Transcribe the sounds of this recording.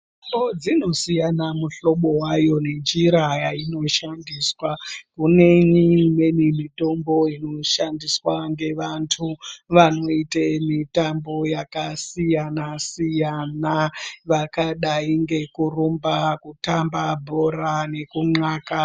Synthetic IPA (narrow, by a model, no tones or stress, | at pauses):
imbod͡zino̞sijanamuɬo̞ɓo̞wajo̞ne̞nd͡ʒiɾajaino̞ʃandiːswakune̞ɲimwe̞nimito̞mbo̞ino̞ʃandiswaŋɡe̞ʋantʰuʋano̞itemitambo̞jakasijanasijanaʋakaɗaiŋɡe̞kurumbakutambabʱo̞ɾane̞kuŋ͡ǁaːka